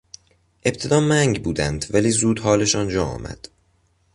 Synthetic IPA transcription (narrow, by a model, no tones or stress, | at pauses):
ʔe̞bt̪ʰe̞d̪ɒːmæŋɟbuːd̪ænd̪væliːzuːd̪hɒːle̞ʃɒːnd͡ʒɒːɒ̰ːmæ̰d̪̥